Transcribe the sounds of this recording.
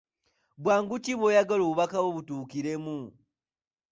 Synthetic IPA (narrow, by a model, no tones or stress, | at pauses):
bwaːŋɡuciβwoːjaɡaloːβuβakaβoβutuːkiɾe̞mu